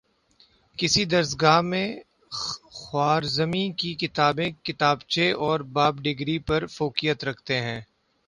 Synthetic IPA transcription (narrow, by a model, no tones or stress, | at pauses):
kɪsid̪ɐɾsɡaːɦmẽ | xwaːɾzəmikikɪt̪aːbẽkɪt̪aːbt͡ʃeʔɔːɾbaːbɖɪɡɾipɐɾfoːkijət̪ɾɐkʰt̪eɦɛ̃ː